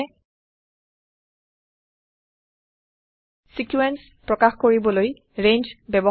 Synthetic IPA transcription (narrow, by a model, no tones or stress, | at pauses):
sikjuɛns | pɹɔkaxkoɹibɔloj | ɹẽnd͡ʒbɛbɔ